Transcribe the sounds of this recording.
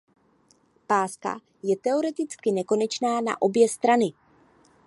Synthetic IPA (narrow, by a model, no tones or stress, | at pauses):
paːska̰ | jɛt̪ɛo̞ɾɛt̪ɪt͡skɪnɛko̞nɛt͡ʃnaːna̰ʔo̞bjɛst̪ɾanɪ